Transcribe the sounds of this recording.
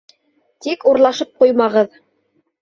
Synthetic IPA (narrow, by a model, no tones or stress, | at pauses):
t̪ikuɾlˠɑʃɤp̚qujmɑʁɤð